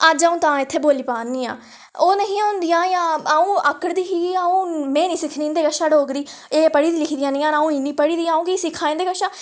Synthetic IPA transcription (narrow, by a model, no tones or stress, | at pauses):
əd͡ʒaːũːt̪ãːɪt̪ʰːeːboːliːpaːnːiːã̰ː | oːnəɦĩːaʊnd̪ɪjãːjãːaũːəkːəɾd̪iːɦiɡiaːũːmɛ̃ːnĩːsɪkʰnĩːnd̪eːkəʃaːɖoːkd̪iːeːpəɽiːd̪iːlɪkʰd̪ijãːnĩːãːnaːũːinĩːpəɽiːd̪iːãːũːkisɪkʰaːẽːnd̪eːkəʃãː